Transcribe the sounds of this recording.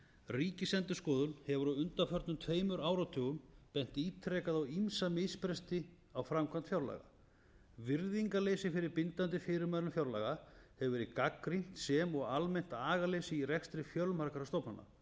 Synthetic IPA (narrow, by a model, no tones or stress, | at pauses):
riːcɪsɛnt̪ʏskɔːðʏnhɛvʏɾɔʏnt̪afœɾt̪nʏmt̪ʰveːjmʏɾaːwɾat̪ʰʏːɣʏmpɛn̥t̪iːt̪ʰɾɛːkaðawimsamɪspɾɛst̪ɪ | awfɾamkʰvant̪fjawɾla̰ːɣa̰ | vɪɾðiŋkaleːsɪfɪɾɪɾpɪnt̪ant̪ɪfɪːɾɪɾmaðɾʏmfjawɾla̰ɣahɛvvɛɾɪkakːɾin̥t̪sɛmɔɣalmejn̥t̪aːɣaleːsɪirɛxst̪ɾɪfjœlmaɾkaɾast̪owpnanːa̰